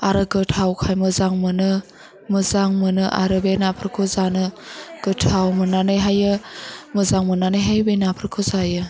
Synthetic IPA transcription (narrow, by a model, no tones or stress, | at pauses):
aɾɯɡɯtʰawkʰajmɯzaŋmɯnɯ | mɯzaŋmɯnɯʔa̰ɾɯbenapʰɾɯkʰozanɯɡ̥ɯtʰawmɯnanɯjɦajɯmɯzaŋmɯnanɯjɦajbenapʰɾɯkʰozajɯ